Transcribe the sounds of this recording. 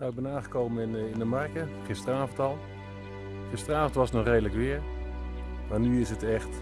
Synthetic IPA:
nawɪɡ̚bɛnaːnχəkowməɪnɪndəmɑrkəχɪstəraːvəntɑlˠ | χɪstərəaːvəntʋɑsnɔχrejdələkʋɪːɹ | maːɹnyɪsɦətɛχt

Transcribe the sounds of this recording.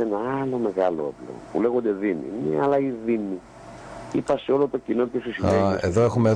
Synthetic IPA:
enɐɐlo̞me̞ɣɐloo̰plḛpule̞ɣond̪eðimḭmiɐlɐiðimi | ipɐseo̞lot̪o̞cinocesisieeðoexume

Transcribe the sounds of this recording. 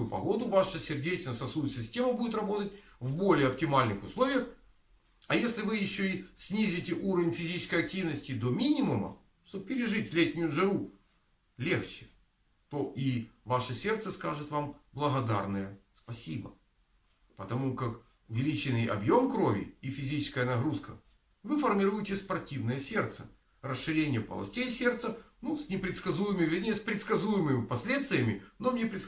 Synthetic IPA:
jʊpɐ̰ɣo̞d̪ʊvaʂəsʲɪrdʲet͡ɕnəsɐsujsʲɪsʲtʲe̞məbudʲɪt̪rɐbo̞t̪ətʲvbo̞lʲɪjəɐp̚tʲɪmalʲnɨxʊslˠo̞vʲɪjəx | ɐjesʲlʲɪvɨjɪɕːoisʲnʲizʲɪtʲɪʔuɾəvʲnʲfʲɪzʲit͡ɕɪ̥skəjɐk̚tʲivnəsʲtʲɪd̪o̞mʲinʲɪmʊmə̰ | ʂt̪ob̚pʲɪɾʲɪʐɨtʲlʲetʲnʲʊjʊʐɨɾu | lʲext͡ɕɪ̥ | t̪o̞ʔivaʂəsʲe̞rt̪səskaʐɨt̪vamblˠəɣɐd̪a̰rnəjəspɐsʲibə̰ | pət̪ɐmukak | ʊvʲɪlʲit͡ɕɪnːɨjʔɐ̰bjo̞mkɾo̞vʲɪ̰ifʲɪzʲit͡ɕɪ̥skəjənɐɣɾuskə | vɨfərmʲɪɾujɪtʲɪspɐrtʲivnəjəsʲe̞rt̪sə | rəsʂɨɾʲenʲɪjəpə̰lˠɐ̰sʲtʲejsʲert̪sənusʲnʲɪpɾʲɪt̪skɐzujɪmɨvʲɪnʲespɾʲɪt̪skɐzujɪmɨmʲɪpɐsʲlʲet̪st̪vʲɪjəmʲɪnomnʲepɾʲɪt̪

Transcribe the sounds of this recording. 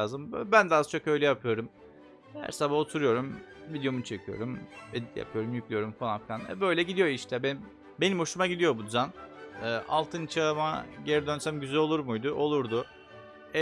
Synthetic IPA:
zɯmbænd̪ɛazt͡ʃʰo̞kø̞jlʲɛjapʰɯjo̞ɾum | hæ̰ɾsabaho̞t̪ʰuɾujo̞ɾum | vid̪ejo̞munt͡ʃʰe̞cʰijo̞̰ɾumed̪it̪ʲja̰pʰɯjo̞ɾumjycʲlijo̞ɾumfalˠanfilʲanɛ̰bø̞jlʲɛɟid̪ijo̞iʃt̪ʰɛben | be̞nimho̞ʃumaɟid̪ijo̞bud̪yzænɯːʔa̰lˠt̪ʰɯnt͡ʃʰama̰ɟeɾid̪ønsæmɟyzælo̞lˠuɾmujd̪uʔo̞lˠuɾd̪ʊ | ɛ

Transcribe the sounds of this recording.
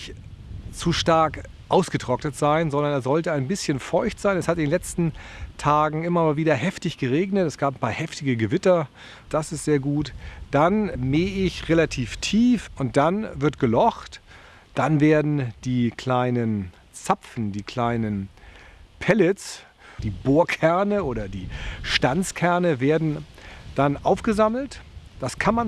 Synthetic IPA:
ç | t͡suʃtaɐk | ʔaʊsɡ̥ətʁ̥ɔknətz̥aɪnzɔndɐnɛːɐz̥ɔltəaɪnbɪsçənfɔʏçtz̥aɪnɛshatɪndeːnlɛt͡stn̩tʰaːɡŋ̩ɪmɐmaːlviːdɐhɛftɪçɡ̥əʁeːɡnətɛsɡ̥aːpanpʰaːɐhɛftɪɡəɡəvɪtɐ | d̥asɪstz̥eːɐɡuːtd̥anmeːɪçʁelatʰiːftʰiːfʔʊnt̚d̥anvɪɐtɡ̥əlɔxt | d̥anveːɐdn̩d̥iːkʰl̥aɪnən | t͡sapfn̩diːkʰl̥aɪnən | pʰɛlɪt͡s | d̥iːboːɐkʰɛɐnəʔoːɾɐdiːʃtant͡skʰɛɐnəveːɐdn̩d̥anʔaʊfɡ̥əzaml̩td̥askʰanman

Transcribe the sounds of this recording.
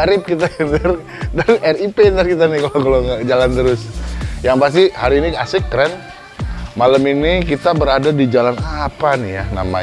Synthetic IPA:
aɾɪp̚kit̪akənar | danɛripenarkit̪̬anɪkalokaloŋɡaʔd͡ʒalant̪əɾʊsjaŋpas̬t̪ihaɾiːniasɪkːəɾɛn | maləminikit̪abəɾadadid͡ʒalanapanijana̰ma̰

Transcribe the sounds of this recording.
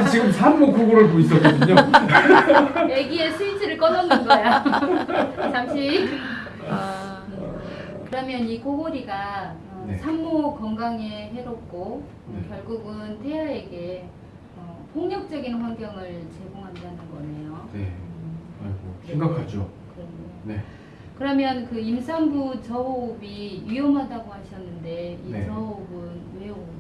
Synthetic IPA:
t͡ɕiɡɯmsʰanːokʰoɡoɾɯɭpois͈ʌkʌdɯɲo | je̞ɡie̞sʰuisʰɯɾɯɭk͈ʌdʌnːɯnɡʌejo | t͡ɕamɕʰi | kɯɾʌmjʌnikoɡoɾiɡa | nesʰamːokʌŋɡaŋeɦe̞ɾop̚k͈o | kjʌɭɡuɡɯntʰe̞jʌeɡe̞ | ʌpʰoŋɲʌk̚t͡ɕ͈ʌɡinɸwanɡjʌŋɯɭt͡ɕe̞ɡoŋɦandanɯnɡʌe̞jone | aɭɡosʰeŋɡʌkʰad͡ʑo | kɯɾʌnone | kɯɾʌmjʌnkɯimsʰaŋbut͡ɕʌobijɥijʌmɦadaɡoɦaɕʰʌnːɯnde̞it͡ɕʌobɯnweo

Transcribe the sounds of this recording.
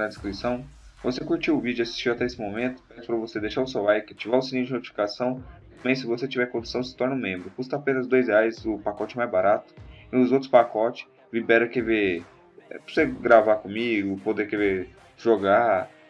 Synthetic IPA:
ɐd͡ʒ̪iskɾisɐ̃w̃vosekuɾt͡ʃiwʊvid͡ʒʊasi̥st͡ʃiwat̪ɛesɪmomẽnt̪ʊ̥pɛsʊ̥pɾɐvosed̪ejʃaʊsewajkɪat͡ʃivaʊsinĩd͡ʒɪnot͡ʃifi̥kasɐ̃w̃t̪ɐ̃mẽj̃sɪvoset͡ʃivɛɾkõd͡ʒ̪u̥sɐ̃w̃sɪ̥t̪ɔɾnʊ̃mẽmbɾʊkust̪ɐapẽnɐzd̪ojzheajzʊpakɔt͡ʃɪɛmajzbaɾat̪ʊ̥ɪ̃ʊzowt̪ɾʊ̥spakɔt͡ʃɪ̥ | vibɛɾɐkeve | ɛpseɡɾavakõmiɡʊpod̪ekeve | ʒoɡa

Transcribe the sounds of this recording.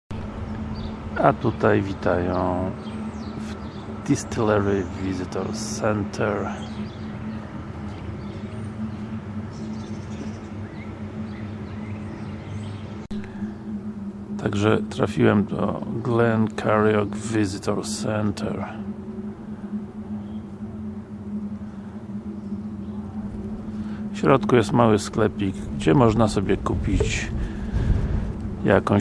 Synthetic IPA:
at̪ut̪ajvʲit̪ajɔ̃w̃ | v | d̪̥ist̪lɛɾɪvʲizɨt̪ɔɾsɛnt̪ʰɛɾ | t̪ʰaɡʐɛt̪ɾa̰fʲiwɛmd̪ɔ̰ɡlɛnkʰaɾjɔɡvʲizɨt̪ɔɾsɛnt̪ʰɛ̰ɾ | fɕɾɔt̪kujɛst̪mawɘsklɛpʲiɡɡd͡ʑɛmɔʐnasɔbʲjɛkupʲit͡ɕ | ja̰kɔ̃

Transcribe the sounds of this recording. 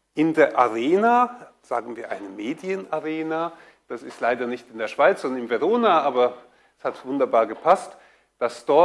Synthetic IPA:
ʔɪndeːɐʔaʁeːna | z̥a̰ːɡn̩viːɐʔa̰ɪnəmeːdjənaʁeːna | d̥asɪstlaɪdɐnɪçtɪndeːɐʃv̥aɪt͡sz̥ɔndɐnɪmveʁoːnaʔaːbɐ | ɛshatv̥ʊndɐbaːɐɡəpʰast | d̥asd̥ɔ

